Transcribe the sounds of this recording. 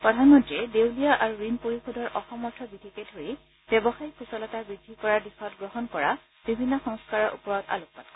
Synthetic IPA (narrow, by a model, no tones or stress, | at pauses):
pɹɔdʱanmɔntɹiɛdewlijaʔaɹuɹinpoɹixodʱɔɹʔɔxɔmɔɹtʰɔbidʰʱikedʱɦoji | b̥ɛbɔxaikʰusɔlɔtabidʱːikɔɹaɹdixɔtɡɹɔɦɔnkɔɹa | b̥ibʱinːɔxɔŋskaɹɔɹʔṵpɔɹɔta̰luk̚patḁ